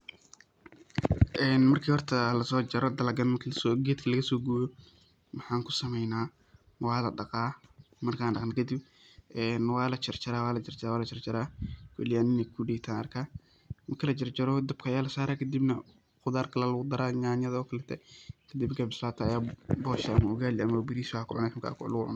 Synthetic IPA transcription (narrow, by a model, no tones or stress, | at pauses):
ʔɛːnmɐrkʰiːhɔrt̪ʰɐlɐsɔːt͡ʃɐɾɔd̪ɐlɐɡɐnmɐkʰɐlsɔɡɛːd̪kʰɐlɐɣɐsɔːɡujɔ | wɑħɑːŋkʰʊ̥sɐmɛjnaː | wɑːlɐɖɑqaː | mɐrkʰaːnɖɑqnɐkʰɐd̪ib̚ | ʔɛːnwɑːlɐt͡ʃɐrt͡ʃɐɾaːwaːlɐt͡ʃɐrt͡ʃɾaːwaːlɐt͡ʃʰɐrt͡ʃɐɾaːkʰɛ̰lɪjaːnɪnɛkʰʊɖɛːt̪ʰaːnɐ̰rkʰaː | mɐrkʰɐlɐt͡ʃɐrt͡ʃɐɾɔd̪ɐb̚kʰɐajaːlɐsaːɾaːkʰɐd̪ibnɐ | xʊðaːrkʰɐlɛlɐɣʊd̪ɐɾaːɲaːnjɐðɔːkʰɐlɛt̪ʰɛkʰɐd̪ibɡɛbɪslaːt̪ʰɐːjaːbɔːʃɛɐmɐʊɣaːlɪɐmɐbɪɾiːswakʰʊʕʊnaħmkʰa̰ːkʰʊ̰lʊɣʊʕʊ̰n